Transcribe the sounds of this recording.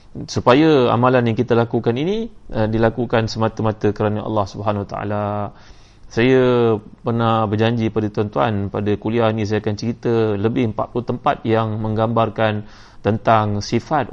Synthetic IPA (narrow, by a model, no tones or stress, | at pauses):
supajaa̰mãlanjaŋkit̪əlakukaniniədilakukansəmat̪əmat̪əkəɾanaʔɑ̰lːɑhsubəɦanwat̪aa̰la | sajapərnahbərd͡ʒaɲd͡ʒipadat̪uant̪ua̰npadakulianĩs̬ajakant͡ʃəɾit̪ələbɪhəmpa̰t̪̚plut̪əmpat̪̚jaŋmə̃ŋɡambarkan | t̪ənt̪aŋsifat̪̚